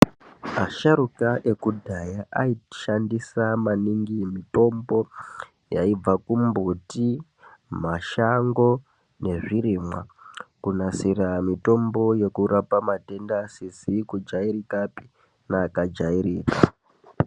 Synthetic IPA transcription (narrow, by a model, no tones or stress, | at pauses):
aʃaɾukaʔe̞kudʱajaʔaiʃandisamaniŋɡimito̞mbo̞ | jaib͡vakumbuti | maʃaŋɡo̞ | ne̞ʐiɾimwakunasiɾamito̞mbo̞je̞kuɾapamate̞ndasisikud͡ʒaiɾikapi̥ | naːkad͡ʒaiɾiːka̰